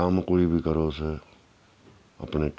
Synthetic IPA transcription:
aːmkoibʱikəɾoːse | ə̰pne

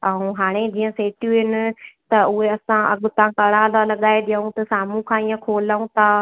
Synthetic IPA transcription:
ə̃ũɦaːɽ̃ed͡ʑiːə̃seːʈjũɦɪnɪ̆t̪ɐʊɦeɐsãɐ̰ɠʊ̆t̪ãkɐɽalalɐɠaːeɗ̪ijaũt̪ɐsaːm̤ũkʰãːijə̃kʰoːlaːũt̪ʰaː

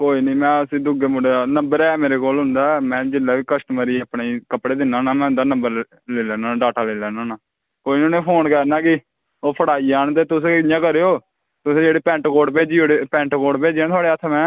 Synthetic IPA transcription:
koːiːniːmɛ̃ːəsĩːd̪ʊɡeːmʊɖenəmbəɾɛːmeːɾeːkoːlɦʊnd̪aːmɛ̃ːd͡ʒɪlːaːʋiːkəsʈəməɾiːaːpɳeːkəpɽeːd̪ɪnãːnãːmɛ̃ːʊnd̪aːnə̃mbəɾ | leːlɛːnãːnːɖaːʈaːleːlɛːnãːnaː | koːinoːnẽːpʰoːnkɛɾnaːkɪ | oːpʰəɽaːiːaːnt̪̬eːt̪ʊs̬eɪjãːkəɾeːoː | t̪ʊsẽːd͡ʒeːɽeːpɛ̃ːɳʈkoːɖpeːd͡ʒiːoɽepɛ̃ːɳʈkoːɖpeːd͡ʒãːt̪ʰʊaːɽeːət̪ʰmɛ̃ː

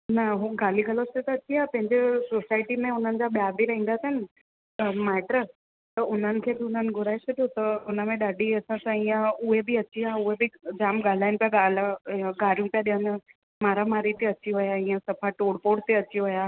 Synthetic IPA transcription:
nɐɦuɡaːliɡʱɐloset̪ɐɐt͡ɕiaːpɐ̃ɦɪ̃ɲd͡ʑesoːsaːɪʈimẽʊn̤ənɪ̆d͡ʑaːɓjaːbiɾɐɦĩːn̆d̪asɐnɪ̆ | maːʈɾəs | t̪ɐʊn̤ənɪ̆kʰeːbiʊn̤ənɪ̆ɡʱʊɾaːesʰɐd̪ʱjot̪ɐʊnə̆mẽɗaːɖʱiɐsãsãijə̃ʊɦebɪɐt͡ɕiaɦʊɦebɪd͡ʑaːmɡaːl̤aːɪnɪpijaɠaːlaɡaːɾijũpijaɗijən | maːɾamaːɾit̪eɐt͡ɕiɦʊjaĩːə̃sɐpʰaʈoːɽpoːɽt̪eɐt͡ɕiɦʊjaː

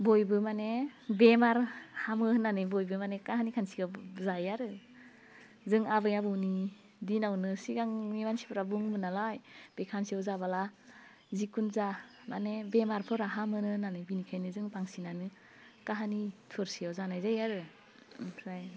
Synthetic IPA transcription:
bɔjbɯmanebemaɾhamɯnanɯjbɔjbɯmanekaɦanikʰansiɡazajaɾɯ | zɯŋabɯjabɯwni | dinawnɯsiɡaŋmimansi̥pʰɯɾabuŋbɯnalajb̥ekʰansiawzabala | zikunza | ma̰nebemaɾpʰɯɾaɦamɯnɯnanɯbinikʰajnɯzɯŋbaŋsinanɯ | kaɦanitʰuɾsiawzanajzajaɾɯ | ɾaj

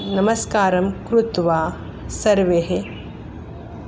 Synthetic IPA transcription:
nɐmɐskaːɾɐmkɾut̪ʋaː | sɐɾʋeɦe

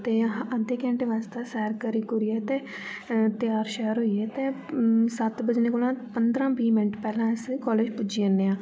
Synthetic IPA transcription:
t̪eːəd̪eːkɛ̃ɳʈeːʋaːst̪aːsɛːɾkəɾiːkʊɾiːɛːt̪eː | t̪ɪjaːɾʃɛːəɾɦoːiːɛːt̪eːsət̪bəd͡ʒneːkoːlãːpənd̪ɾãːbiːmɪnəʈpɛːlãːɪskɔːleːd͡ʒpʊd͡ʒiːənːeːãː

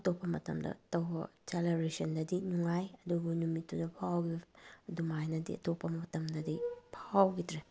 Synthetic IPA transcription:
ɐtopːɐmɐ̰tɐ̰mdɐ̰tɐwbɐ̰t͡ʃalaɾisɐndɐdinuŋajɐduɡunumitːudɐpʰawɡibɐdumajnɐdḭɐ̰topːɐmɐtɐmdɐdipʰawɡitɾe

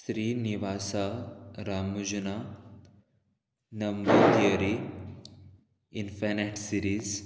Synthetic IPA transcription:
sɾiːniʋaːsaɾaːmud͡ʒɐna | nɐmbɐt̪jɐɾi | infeneʈsiɾiːz

